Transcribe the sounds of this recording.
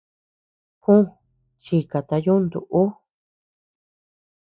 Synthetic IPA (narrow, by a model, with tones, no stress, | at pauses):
kũ˦ | t͡ʃi˧ka˨t̪a˧ju˦nd̪ṵ˨ʔu˦